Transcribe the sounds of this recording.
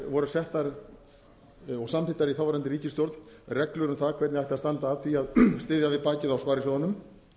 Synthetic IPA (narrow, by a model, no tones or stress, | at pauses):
vɔɾʏ̥sɛht̪aɾ | ɔɣsamfɪt̪ːaɾiθawvaɾant̪ɪɾiːcɪst̪jowɾt̪n̥rɛklʏɾʏmθakʰvɛt̪nɪajht̪ɪast̪ant̪aːðθviaðst̪ɪːðjavɪðpaːcɪðawspaːɾɪsɔðanʏm